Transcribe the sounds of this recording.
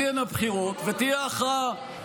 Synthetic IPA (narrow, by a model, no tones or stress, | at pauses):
enabχiʁo̞t̪vet̪ijeaχa